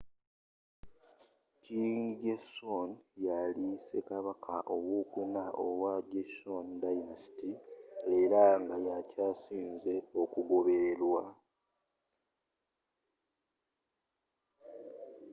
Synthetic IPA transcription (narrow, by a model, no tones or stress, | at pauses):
tiŋɟesonjalisekaβakʰaʔo̞βukunaʔo̰waɟesondainasi̥tie̞ɾaŋɡajacaːsiːnze̞o̞kuɡo̞βeɾwa